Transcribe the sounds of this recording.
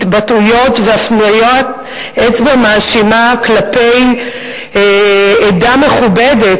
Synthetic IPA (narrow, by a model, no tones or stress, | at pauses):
batujo̞tveafnujot̪̚ | et͡sbamaːʃimaklapej | edameχubedet